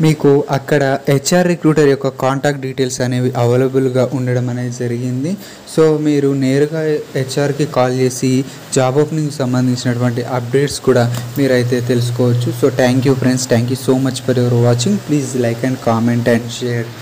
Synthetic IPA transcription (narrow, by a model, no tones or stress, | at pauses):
miːkuʔɐkːɐɽɐet͡ʃːaːɾːekɾuːʈɐɾjɔkːɐkaːɳʈaːk̚ʈ̚ɖiːʈe̞ːlsɐne̞ːʋiʔɐʋe̞ːlɐbulɡaːʔuɳɖɐɽɐmɐneːd͡ʒɐɾiɡind̪i | so̞ːmiːɾuneːɾuɡaːet͡ʃːaːɾkikaːlt͡ʃe̞ːsi | d͡ʒaːboːpniŋkusɐmbɐnd̪ʱiɲt͡ʃinɐʈuʋɐɳʈiʔɐp̚ɖe̞ːʈskuːɽaːmiːɾɐjt̪e̞ːt̪e̞lus̬u̥kɔːʋɐt͡ʃːuso̞ːt̪ʰaːŋkjuːpʰɾeɳɖsʈ̪ʰaːŋk̬juːso̞ːmɐt͡ʃpɐɾeʋɐɾʋaːt͡ʃːiŋɡpliːzlɐjkɛɳɖkaːmeɳʈɛɳɖʃeːɾ